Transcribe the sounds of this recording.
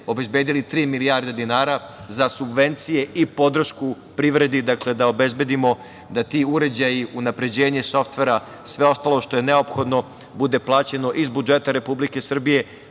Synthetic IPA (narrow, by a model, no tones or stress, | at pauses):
o̞be̞zbeːd̪ilit̪ɾiːmilijaɾd̪ed̪inaːɾazasubʋe̞nt̪sije̞ipod̪r̩ʃku | pɾiʋɾe̞d̪id̪akle̞d̪ao̞be̞zbe̞d̪imo̞ | d̪at̪iuɾe̞d͡ʑajiʔunapɾe̞d͡ʑe̞ːɲeso̞ft̪ʋe̞ɾa | sʋe̞o̞st̪alˠoʃt̪o̞je̞neo̞pxo̞d̪no̞ | bud̪e̞plˠaːt͡ɕe̞no̞ʔizbud͡ʒet̪aɾe̞publike̞sr̩bije̞